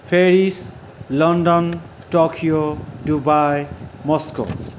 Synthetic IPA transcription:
pʰeɾis | lɔndɔn | ʈɔkʰiodubajmɔsko̰

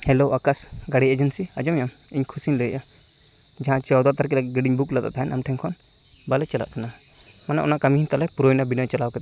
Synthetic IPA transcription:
hɛloʔakas | ɡaɽied͡ʒənsiad͡ʒɔmjam | iɲkʰusiɲləjʔa | d͡ʒaɦãt͡ʃɔwd̪ɔt̪aɾkɛlaɡɛɡəɖiɲbuklat̪a̰ʔt̪aɦɛnʔa̰mʈʰɛŋkʰɔn | balɛt͡ʃala̰ʔkana | manaʔɔnaʔkamiɦiɲk̪alɛpuɾojnabinɔjt͡ʃalawkɛt̪

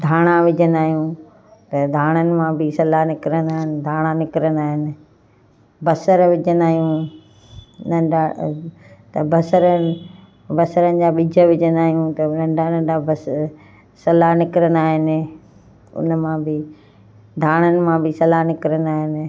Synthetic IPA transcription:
d̪ʱaːɽ̃ãʋɪd͡ʑənaːɦijũ | t̪ɐd̪ʱaːɽ̃ənɪ̆mãbɪsɐlanɪkɪɾənaːɦɪnɪ̆d̪ʱaːɽ̃anɪkɪɾənaːɦɪnɪ̆ | bɐsəɾʋɪd͡ʑənaːɦijũ | nɖa | t̪ɐbɐsəɾə | bɐsəɾənɪ̆d͡ʑaːɓɪd͡ʑʱəʋɪd͡ʑənaːɦijũt̪ɐʊnɐ̃ɳɖanɐ̃ɳabɐs | sɐlanɪkɪɾənaːɦɪnɪ̆ | ʊ̰nəmãbɪ | d̪ʱaːɽ̃ənɪ̆mãbɪsɐlanɪkɪɾənaːɦɪnɪ̆

